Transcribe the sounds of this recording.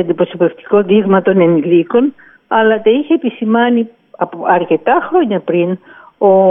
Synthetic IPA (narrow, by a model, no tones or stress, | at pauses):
ɐnd̪ipɾosope̞ft̪i̥ko̞ðiɣmɐt̪o̞neniliko̞n | ɐlɐt̪ɐiçeːpisimɐni | ɐpoɐɾce̞t̪ɐxɾo̞ɲɐpɾin | o